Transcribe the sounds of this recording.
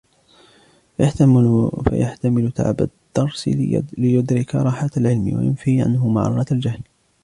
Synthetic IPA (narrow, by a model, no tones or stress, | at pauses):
fja | fa̰ja̰ħt̪amɪlʊt̪ʰa̰ʕba̰d̪̥ːɑɾˤslɪjʊd̪ɾɪka̰ɾˤɑːħat̪alʕɪlmɪ̰wa̰jʊ̰nfiːʕa̰nɦʊma̰ʕɾˤɑɾˤɑt̪ald͡ʒahl